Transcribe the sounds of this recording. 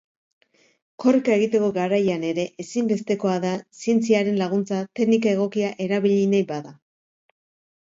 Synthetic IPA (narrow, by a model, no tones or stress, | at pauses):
ko̞rikae̞ɣ̞it̪e̞ko̞ɡaɾajane̞ɾe̞ʔesimbe̞st̪e̞ko̞aðasie̞nt͡siaɾe̞nlaɣ̞unt͡sat̪e̞knikae̞ɣ̞o̞kiaʔe̞ɾaβiʎinajbaða